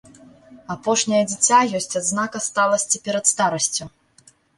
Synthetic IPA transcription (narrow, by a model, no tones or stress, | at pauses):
apɔʂnʲɐjɐd͡zʲit͡sʲajɔsʲt͡sʲad̪znakɐst̪alˠɐsʲt͡sʲipʲɛɾɐt̪st̪aɾɐsʲt͡sʲu